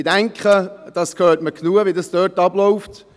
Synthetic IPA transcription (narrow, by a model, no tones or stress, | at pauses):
dæŋkχəd̥ɑskʰhøːtməknuəʋiədɑsd̥øːtɑblɔʊft